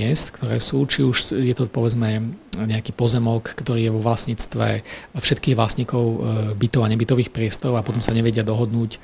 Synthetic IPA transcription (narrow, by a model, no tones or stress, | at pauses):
ɛst̪kt̪ɔɾɛ̰ːsuːt͡ʃiuʃjɛt̪ɔpɔʋɛd͡zmɛɲɛakiːpɔzɛmɔkːt̪ɔɾiːjɛʋɔʋlasɲiːt͡st̪ʋɛ̰fʃɛt̪̚kiːɣʋlasɲiːkɔʊbit̪ɔʊaɲɛbit̪ɔʋiːxpɾɪɛst̪ɔɾɔʊapɔt̪ɔmsaɲɛʋɛɟɪad̪ɔɦɔd̪nuːc